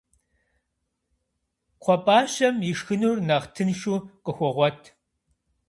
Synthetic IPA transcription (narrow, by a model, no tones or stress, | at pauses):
qʷʰɔpʼaːʃɐmjɪʂxɨnurnɐʁtʰɨnʃuːqəxʷɔʁʷɔtʰ